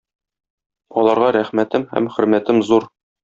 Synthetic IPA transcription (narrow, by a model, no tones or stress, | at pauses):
ɒlˠɑɾʁɑɾæχmæt̪ɘmhæ̰mχɵ̆ɾmæt̪ɘmzuɾ